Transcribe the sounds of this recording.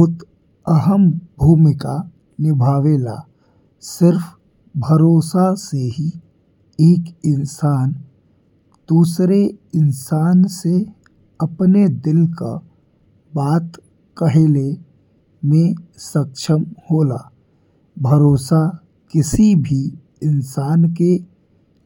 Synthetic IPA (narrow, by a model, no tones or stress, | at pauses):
t̪ | əɦəmbʱuːmɪka | nɪbʱaːʋeːla̰ | sɪɾf | bʱəɾoːsaseɦi | eːkɪnsaːn | d̪̥uːsɾeɪnsaːnse | əpned̪ɪlka̰ | baːt̪ | kəɦeːle | mẽsəkʃəmhoːlaː | bʱəɾoːsa | kɪsibʱi | ɪnsaːnke